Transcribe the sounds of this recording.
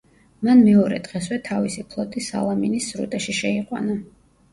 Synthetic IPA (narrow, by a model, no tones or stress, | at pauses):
manmɛɔɾɛ̰d̪̥ʁɛswɛt̪ʰavisipʰlˠɔt̪ʼisa̰lˠaminisɾṵt̪ʼɛʃiʃɛiqʼwa̰na